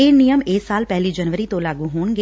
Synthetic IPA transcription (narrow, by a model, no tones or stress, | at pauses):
eːnɪjəmɪsaːlpɛːliːd͡ʒənʋəɾiːt̪õːlaːɡũːɦoːɳɡeː